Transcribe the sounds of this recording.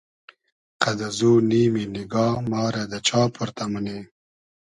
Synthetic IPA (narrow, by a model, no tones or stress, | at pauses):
qad̪azuːniːminɪɡɑːmɑːɾad̪ət͡ʃɑːpʰuɾt̪aməne